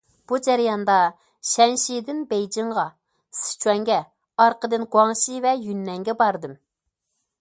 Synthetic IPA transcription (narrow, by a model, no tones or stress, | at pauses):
b̥ud͡ʒæɾjɑnd̪ɑ | ʃɛnʃid̪ɪnbejd͡ʒiɴʁɑ | sɪ̥t͡ʃʰwɛŋɡʲɛ | ɑɾqəd̪ɨnɡwɑŋʃivɛjynːɛŋɡʲɛbɑɾd̪ɨm